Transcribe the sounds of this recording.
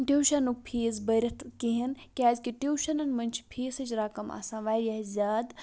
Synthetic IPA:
ʈʲiwʃanuk̚pʰeːsbɐɾʲɐt̪ʰkiɦɐnkʲaːzʲkiʈiwʃɐnɐnmɐnʲt͡ʃʰpʰeːsɐt͡ʃʰɾaːkɐmɐ̰sãːʋaːjjaɦzʲaːd̪

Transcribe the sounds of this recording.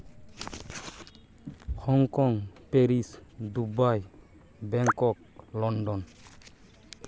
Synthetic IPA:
xʰɔŋkɔŋpeɾisd̪ubaj | bɛŋkɔk̚lɔnɖɔn

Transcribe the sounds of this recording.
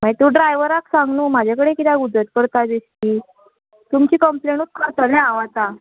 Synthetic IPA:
maɦit̪ũɖɾajʋəɾaksãŋɡnuːmad͡ʑʱakəɽekit̪aɡud͡z̪ət̪̚kəɽt̪ad͡zeɕkiː | t̪umt͡ɕiːkəmplenut̪̚kʰəɾt̪əɾnaaʋat̪a

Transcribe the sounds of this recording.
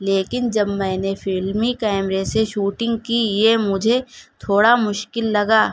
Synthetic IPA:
leːkɪnd͡ʒɐbmɛ̃ːnefʰɪlmikɛːmɾeseʃuːʈɪ̃ŋɡkijemʊd͡ʒʱet̪ʰoːɽamʊʃkɪlːɐɡaː

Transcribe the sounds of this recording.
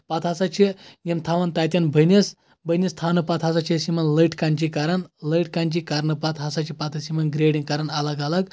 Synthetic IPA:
pɐt̪ʰɦɐsɐt͡ʃʰijimt̪ʰaʋɐnt̪ɐt̪̬ʲjɐnbʱɐnis | bʱənist̪ʰanɨpɐt̪ɦɐsɐt͡ʃʰisimɐnlɐʈkɐnʲt͡ʃikɐɾɐnlɐʈkɐnʲt͡ʃikɐɾnɨpɐt̪ɦɐsɐt͡ʃʰipɐt̪ʰɨsimɐnɡɾeːɖiŋkɐɾɐnɐlɐɡɐlɐɡ

